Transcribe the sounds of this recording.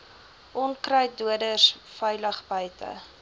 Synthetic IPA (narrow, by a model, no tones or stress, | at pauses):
ʔɔnkrœɥtduədəsfɛjləχbəjtə̰